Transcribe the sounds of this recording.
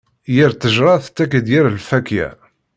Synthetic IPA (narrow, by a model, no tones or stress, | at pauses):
jəɾt̪əʒɾˤɑθt̪ːækəd̪jiɾlfækjæ̰